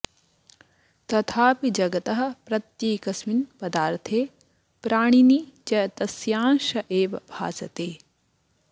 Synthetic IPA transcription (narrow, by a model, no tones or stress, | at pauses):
t̪ɐt̪ʰaːpid͡ʒɐɡɐt̪ɐɦɐ̆pɾɐt̪jeːkɐsminpɐd̪aːɾt̪ʰeː | pɾaːɳ̃inid͡ʒɐjɐt̪ɐsjaːnʃɐʔeːʋɐbʱa̰ːsɐt̪eː